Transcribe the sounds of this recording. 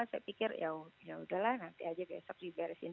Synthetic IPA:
asaja̰pikɪrjajaudahlahnant̪iad͡ʒaba̰sak̚dibaɾɛsḭn

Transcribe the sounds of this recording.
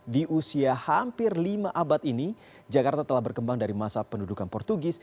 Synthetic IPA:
diʔusiahampɪrlimaʔabat̪ini | d͡ʒakart̪at̪əlahbərkəmbaŋdaɾimasapəndudukanpɔrt̪uɡɪs

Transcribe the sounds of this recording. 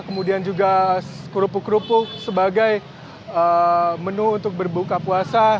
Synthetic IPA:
kəmudiand͡ʒuɡakuɾupʊkɾupʊk̚səbaɡaj | əmənuːnt̪ʊk̚bərbukapuasa

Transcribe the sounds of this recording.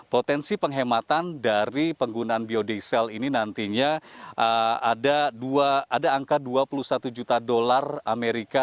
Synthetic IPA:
pot̪ɛnsipəŋɦemat̪andaɾipəŋɡunaːnbiodesɛlininant̪iɲaʔəadaduaːdaːŋkaduapulusat̪ud͡ʒut̪adolarameɾika

